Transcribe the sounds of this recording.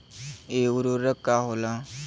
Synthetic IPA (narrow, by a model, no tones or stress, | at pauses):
euɾoɾəkːaɦola